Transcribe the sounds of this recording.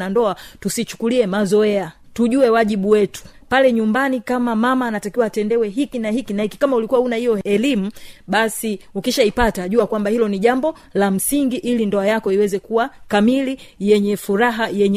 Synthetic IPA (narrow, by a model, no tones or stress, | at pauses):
andɔatusit͡ʃu̥kuliɛmazɔɛatuʄuɛwaʄiɓuwɛtu̥palɛɲumbanikamamamaːnatakiwaːtɛndɛwɛɦikinahikinahiki̥kamaulikuwaunahijɔɛlimuɓasiukiʃaipataʄuakwambahilɔniʄambɔ | lam̩siŋɡiʔilindɔajakɔiwɛzɛkuwakamilijɛɲɛfuɾaɦajɛɲ